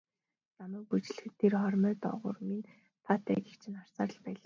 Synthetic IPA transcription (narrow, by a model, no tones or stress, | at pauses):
namæːk̚put͡ɕ̆ɮxɘt̪ʰːerχɔrmœːt̪ɔ̰ʁʊ̰̆rmin | t̪ʰat̪æ̰ːɡekt͡ɕʰɪ̆nar̥saːɾə̆ɮpæːɮaː